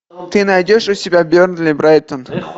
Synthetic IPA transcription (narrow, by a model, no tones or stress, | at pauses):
t̪ɨnajdʲoʂʊsʲɪbʲabʲornd̪lʲibɾajt̪ən